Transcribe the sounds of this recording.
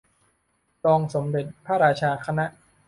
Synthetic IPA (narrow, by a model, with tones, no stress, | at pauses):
t̪ɔː˧ŋso˩˦mde˨˩t̪̚pʰaː˥˨ɾaː˧t͡ɕʰaː˧kʰa˧na˦˥ʔ